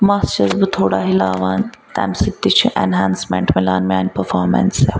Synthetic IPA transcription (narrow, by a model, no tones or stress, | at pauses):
mast͡ʃɐzbɨt̪ʰoːɽaːɦilaːʋaːnʲ | t̪ɛ̰ːmsit̪ːit͡ʃʰĩʔɛ̰nɦaːnsmɛ̰̃ɳʈmilaːnmʲaːnʲpəɾfaːɾmɛ̰nse